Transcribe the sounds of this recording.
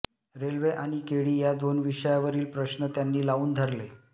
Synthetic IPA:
ɾelʋeʔaɽ̃ikeɽiːjad̪onʋiʂəjaʋəɾiːlpɾəɕnət̪janːiːlauːnd̪ʱəɾle

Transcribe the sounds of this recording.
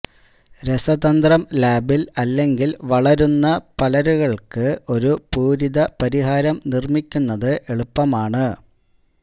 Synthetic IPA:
ɾe̞sɐðɐnd̪rɐmlaːbilɐlːe̞ŋɡilʋɐɭɐɾunːɐpɐlɐɾuɣɐɭkɨo̞ɾupuːɾiðɐpɐɾiɦaːɾɐmnirmikʲːunːɐðɨʔe̞ɭupːɐmaːɳɨ

